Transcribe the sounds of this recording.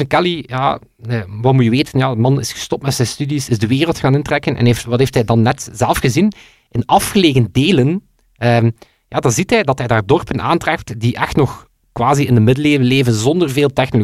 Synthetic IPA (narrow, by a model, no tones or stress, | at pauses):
əkɛlijaː | əʋɑtmujəʋeːtənjaːdəmɑnɪsxə̥stɔp̚tmɛtsɛjnstydisɪzdəʋeːrəlˠtxaːnɪntrɛkənʔɛ̰neːftʋɑtɦeːftɦɛjdɑnːɛtz̥ɛlˠfxəzin | ɪnɑfxəleːɣəndeːlən | əː | jaːdɑnzitɦɛjdɑtɦɛjdaːrdɔrpənʔa̰ːntrɛptdiʔɛxtnɔx | kwaːziɪndəmɪdəleːvəleːvənzɔndərveːlˠtɛxnolo